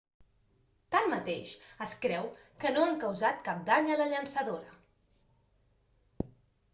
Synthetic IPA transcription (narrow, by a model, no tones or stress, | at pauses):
t̪anmət̪eʃəskɾɛwkənoaŋkəwzat̪̚kap̚d̪aɲələʎənsəðoɾə